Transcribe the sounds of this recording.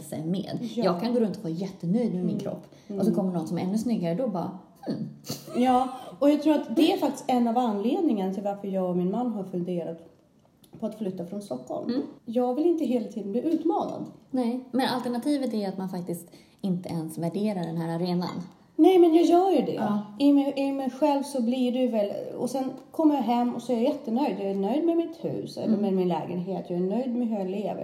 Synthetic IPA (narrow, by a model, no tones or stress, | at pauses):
sɛ̰jmḛːd̪jjɑːɡkʰanɡoːɾɵnt̪ɔvaːɾjɛt̪ːənœjd̪mɛmɪnkʰɾɔ̰pː | ʔɔsɔkʰɔmːəɳɔnsɔmɛɾɛnːɵsnʏɡːaɾəd̪ɔbɑ̰ːɾhm̩jɑːɔjɑɡt̪ʰɾuːɾat̪d̪ɛæɾfak̚t̪ɪ̥st̪ɛnːavanːleːd̪nɪŋənat̪ʰɪlvaɾfəɾjɑːɡɔmɪnmanːɦaɾfɵnd̪eːɾat̪ | pʰɔat̪flʏt̪ːafɾɔnst̪ɔkːɔ̰lmjɑːɡvɪlɪnt̪əɦeːlat̪ʰiːd̪ənbliːʔʉ̟ːt̪mɑːna̰d̪nɛmɛnalt̪ɛɳat̪ʰiːvət̪æjat̪manfak̚t̪ɪst̪ | ɪnt̪əɛnsvæɖeːɾaɖɛnɦæːɾaɾeːna̰n | nɛjmɛnjɑːjœːɾjɵɖɛ̰ɪmɛɪmɛjɧɛlvsɔblɪɖɵvɛlɔ̰sɛnkʰɔmːəɾjaɦɛmːɔ̰sɔæɾjaɾjɛt̪ːənœjd̪jɑːænœjd̪mɛmɪt̪hʉ̟̰ːsɛ̰lːəɾmɛmɪnlɛːɡənɦeːt̪jɑːæɳœjd̪mɛɦɵjɑleːvə̰